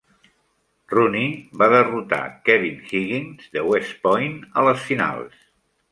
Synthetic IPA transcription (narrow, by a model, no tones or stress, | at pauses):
runiβaðərut̪a̰kɛβinxiɣinzðəwɛspɔjnələsfina̰lˠs